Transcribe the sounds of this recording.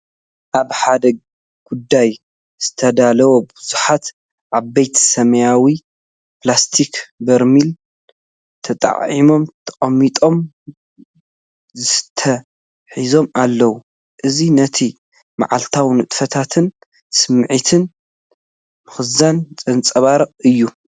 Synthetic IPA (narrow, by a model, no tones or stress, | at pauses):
ʔaβħad̪ɐɡ̚ | ɡ̥ud̪ːaj | z̥ɨ̥t̪ʰɐd̪alɐwobɨz̥uħat̪ | ʕaβːejt̪ʰsɐmɐjawi | plast̪ʰikbɐɾmil | t̪ʰɐt̪ʼɐ̰ʕʕimo̞mt̪ʰɐ̥χʼɐmːit̪ʼo̞m | zɨt̪ʰɐ | ħizo̞malːɐwu | ʔɨzinɐt̪ʰi | ma̰ʕalt̪ʰawnɨt̪ʼfɐt̪ʰat̪ʰɨn | sɨmʕit̪ʰɨn | mɨxɨzant͡sʼɐnt͡sʼɐβaɾɨqʼɨjːu